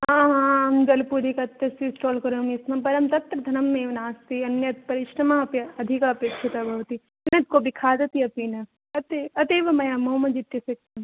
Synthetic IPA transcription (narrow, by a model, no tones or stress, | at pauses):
ɦãːɦãːɐŋɡɐlpuːɾikɐt̪jɐsisʈoːlkɐɾoːmismɐpɐɾɐmt̪ɐt̪ɾɐd̪ʱɐnɐmːeːʋɐnaːst̪iɐnjɐt̪̚pɐɾɪʃɾɐmaɐpjɐɐd̪ʱikapekʃʰit̪abʱɐʋt̪i | ɐnjɐt̪̚kobʱikʰaːd̪ɐt̪iɐpiːnɐ | ɐt̪eɐt̪eːʋɐmɐjaːmoːmɐd͡ʒit̪jɐsekɐm